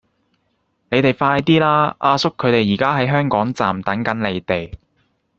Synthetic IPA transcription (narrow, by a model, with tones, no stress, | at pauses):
ne˨˧jt̪e˨jfaː˧jt̪iː˥laː˥ʔaː˧sʊ˥kʰːɵ˨˧t̪e˨jːiː˨˩kaː˥ɦɐ˨˥jɦœː˥ŋkɔː˨˥ŋt͡sa̰ː˨mt̪ɐ˨˥ŋkɐ˨˥nle˨˧jt̪e˨j